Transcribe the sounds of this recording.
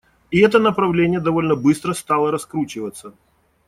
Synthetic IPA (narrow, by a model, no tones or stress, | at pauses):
iɛt̪ənəpɾɐvlʲenʲɪjəd̪ɐvo̞lʲnəbɨst̪ɾəst̪alˠəɾɐskɾut͡ɕɪvət̪sːə